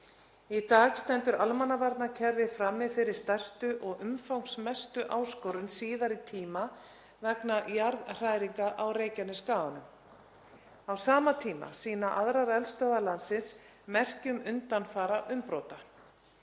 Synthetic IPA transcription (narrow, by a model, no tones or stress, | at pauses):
it̪aːɣst̪ɛn̪t̪ʏɾalmanːavaɾt̪nacʰɛɾvɪfɾamːɪfɪɾɪɾ̥st̪ajst̪ʏʔɔɣʏmfawŋsmɛst̪ʏʔaːwskowɾʏnsiːðaɾit̪ʰiːma | vɛknajaɾðr̥aːjɾiŋkaʔawreːjcanʏskaːanʏm | awsaːmat̪ʰiːma̰siːnaʔaðɾaɾɛlst̪œːðalansɪns | mɛr̥cʏmʏnt̪anfaːɾaʔʏmpɾoːwt̪a